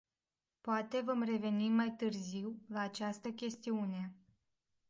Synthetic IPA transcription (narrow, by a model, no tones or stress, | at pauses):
poat̪e̞vomre̞ve̞nimːajt̪ɨrziwlaːt͡ʃast̪əkʲe̞st̪iune̞